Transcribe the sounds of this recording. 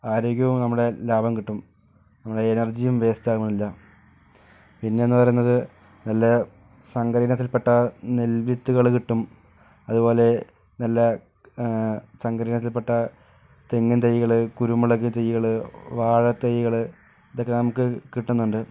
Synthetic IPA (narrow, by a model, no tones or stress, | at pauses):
aːɾoːkʲːɐʋumnɐmːuɽe̞laːbʱɐmkiʈːum | nɐmːuɽe̞ːnɐrd͡ʑijumʋe̞ːstaːɣumnilːɐ | pinːe̞nːɨpɐrɐjunːɐðɨ | nɐlːɐ | sɐŋɡɐɾinɐt̪ːilpe̞ʈːɐnelʋit̪ːuɣɐɭkiʈːum | ɐðubo̞ːle̞ | nɐlːɐ | sɐŋɡɐɾinɐt̪̬ːilp̬e̞ʈːɐ | t̪eŋːunt̪ejːiɣɐɭɨkuɾumːuɭɐkːɨt̪ejːiɣɐɭɨʋaːɻɐt̪ːejiɣɐɭɨ | iðokːenɐmukːɨkiʈːunːuɳɖɨ